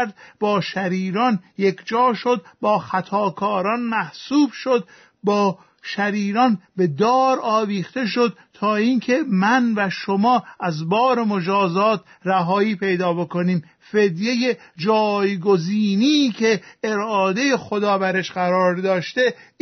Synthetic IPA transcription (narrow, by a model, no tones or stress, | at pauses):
ɾd̪̚bɒːʃæɾiːɾɒnjekʰd͡ʒɒːʃo̞d̪̚bɒːxæt̪ʰɒːkʰɒːɾɒːnmæhsuːbʃo̞d̪̚ | bɒː | ʃæɾiːɾɒnbe̞d̪ɒːɾɒːviːxt̪e̞ʃ̬o̞d̪̥̚t̪ʰɒːiːŋkʰe̞mænvæʃomɒːæzbɒːɾemo̞d͡ʒɒːzɒːt̪̚ʰ | ræɦɒːiːpʰe̞jd̪ɒːbo̞ko̞niːm | fe̞d̪je̞jed͡ʒɒːjɡo̞ziːnicʰe̞ːɾɒːd̪e̞jexod̪ɒːbæɾeʃɢæɾɒːɾd̪ɒːʃt̪e̞